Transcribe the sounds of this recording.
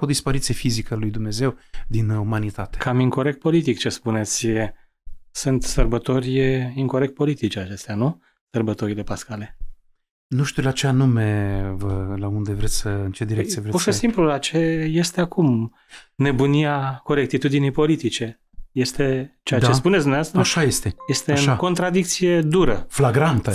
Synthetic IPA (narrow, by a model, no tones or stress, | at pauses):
od̪ispaɾinsijefizikəalujd̪umne̞ze̞wd̪inumanit̪at̪ekʰamiŋko̞ɾe̞k̚t̪̚po̞lit̪ikt͡ʃe̞spune̞t̪sʲ | sɨnt̪sərbət̪o̞rʲiŋko̞ɾe̞k̚t̪̚po̞lit̪it͡ʃat͡ʃe̞st̪eanu | sərbət̪o̞ɾile̞paskale̞ | nuʃt̪iulat͡ʃeanumevəlaund̪evɾet̪sʲsəɨnt͡ʃed̪iɾekt̪ievɾepuʃesimplulat͡ʃe̞je̞st̪e̞akum | ne̞buniako̞ɾe̞k̚t̪it̪ud̪inijpo̞lit̪it͡ʃe̞ | je̞st̪e̞t͡ʃeat͡ʃespunet̪sd̪mnevast̪ɾəʃajest̪eje̞st̪eɨʃnako̞nt̪ɾad̪ik̚t̪sije̞d̪uɾəflaɡɾant̪ə